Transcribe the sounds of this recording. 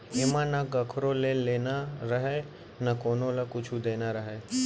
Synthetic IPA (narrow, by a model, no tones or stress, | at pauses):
ɪmãnaɡɐkʰɾoleleːnaɾəɦe | nakoːnõlakʊt͡ʃʰud̪eːnaɾəɦeː